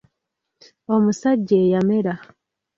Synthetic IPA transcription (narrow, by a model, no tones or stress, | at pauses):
omusaɟːeːjameɾa